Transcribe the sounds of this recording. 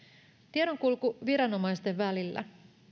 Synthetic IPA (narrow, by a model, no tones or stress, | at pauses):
t̪ieɾo̞ŋkulkuʋiɾɑno̞mɑjst̪e̞ʋːælilːæ̰